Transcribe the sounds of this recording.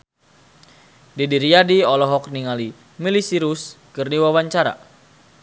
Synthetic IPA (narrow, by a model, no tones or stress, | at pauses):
didiɾijadiɔlɔɦɔk̚niŋali | milisiɾuskɨrniwawaɲt͡ʃaɾa̰